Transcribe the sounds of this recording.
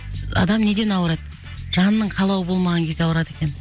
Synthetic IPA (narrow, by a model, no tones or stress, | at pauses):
ɑ̰d̪ɑmne̞d̪e̞nɑwəɾɑd̪ | ʒɑnənːəɴqʰɑlˠɑwəbo̞lˠmɑʁɑŋkʲʰe̞zeɑwəɾɑt̪e̞kʲe̞n